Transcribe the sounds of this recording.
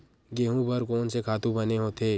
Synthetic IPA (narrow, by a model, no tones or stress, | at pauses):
ɡeːɦũbɐɾkoːnsekʰaːt̪ũbɐneɦoːt̪ʰeː